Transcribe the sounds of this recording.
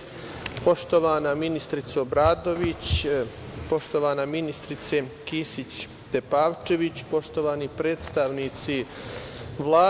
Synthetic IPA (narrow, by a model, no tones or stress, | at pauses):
po̞ʃt̪o̞ʋaːnaminist̪ɾit̪seobɾaːd̪o̞ʋit͡ɕ | po̞ʃt̪o̞ʋaːnaminist̪ɾit̪sekiːsit͡ɕ | d̪̥epaːʋt͡ʃe̞ʋit͡ɕpo̞ʃt̪o̞ʋaːnipɾe̞ːt̪st̪aʋnit̪si | ʋlˠaː